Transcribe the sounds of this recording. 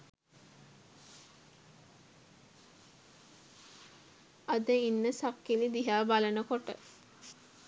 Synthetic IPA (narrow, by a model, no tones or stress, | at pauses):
ad̪əinːəsakːilid̪iɦaːbalənəkoʈə̰